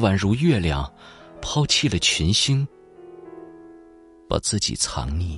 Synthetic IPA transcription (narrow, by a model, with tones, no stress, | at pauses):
wa˨˥nɻu˧˥ɥɛ˥˩ljɑ̰˨˩ŋ | pʰɑ˥ʊt͡ɕʰi˥˩lə˩t͡ɕʰɛ˧˥nɕi˥ŋ | pa̰˨˩t͡sɹ̩˥˩t͡ɕḭ˨˩t͡sʰɑ̰˧˥ŋni˥˩